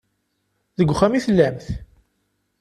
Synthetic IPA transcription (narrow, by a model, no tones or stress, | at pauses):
ðəɡʷːχːæmiθəlːæmθ